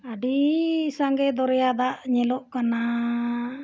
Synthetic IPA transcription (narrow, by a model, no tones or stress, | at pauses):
aɖisaŋɡɛd̪ɔɾjad̪aʔɲɛlɔʔkana